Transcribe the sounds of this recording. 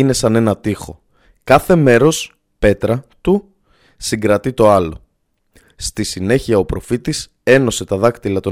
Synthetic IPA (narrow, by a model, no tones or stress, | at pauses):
ine̞sɐne̞nɐt̪ixo̞ | kɐθe̞me̞ɾo̞s | pe̞t̪ɾɐt̪u | siɡɾɐt̪it̪o̞ɐlo̞̰ | st̪isine̞çiɐo̞pɾo̞fit̪is | e̞no̞se̞t̪ɐðɐkt̪ilɐt̪o̞